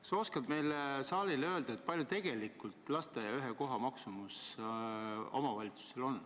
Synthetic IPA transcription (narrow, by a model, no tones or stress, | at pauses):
so̞skɑbme̞jlsɑːlʲilø̞ːld̪̥ɑet̪̚pɑlʲjut̪e̞ɡ̥e̞likːˑult̪ˑlɑst̪ejɑyɦeko̞ɦɑmɑksumus | o̞̰mɑvɑlʲit̪su̥se̞lo̞nː